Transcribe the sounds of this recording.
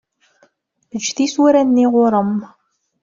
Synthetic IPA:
ðət͡ʃːθiswæɾænːiʁʊɾˤəm

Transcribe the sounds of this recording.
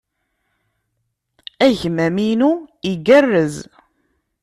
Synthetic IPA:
æʝmæminuiɡərːəz

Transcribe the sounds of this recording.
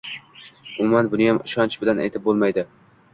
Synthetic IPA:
ʊmʊmanbʊnɪjamɪʃɒnt͡ʃʰbɪlana̰jt̪ʰɪp̚bolˠmajd̪ɪ

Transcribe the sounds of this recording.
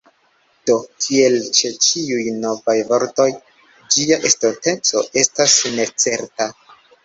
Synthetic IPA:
d̥o̞kʰie̞lt͡ʃe̞t͡ʃiujno̞vajvo̞ɾto̞j | d͡ʒiaʔestote̞t͡so̞ʔe̞stasne̞t͡se̞ɾta

